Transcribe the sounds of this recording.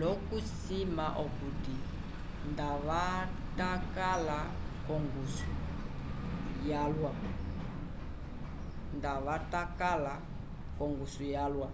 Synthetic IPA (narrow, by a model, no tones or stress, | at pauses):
lɔkusimaʔɔkuti | ndaβatakalakɔŋɡusu | jalwa | ndaβatakala | kɔŋɡusujalwa